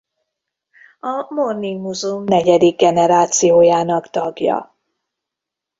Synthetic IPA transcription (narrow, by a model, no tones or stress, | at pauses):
ɒmornimuzumnɛɟɛd̪iɡːɛnɛɾaːt̪sijoːjaːnɒkt̪ɒɡjɒ̰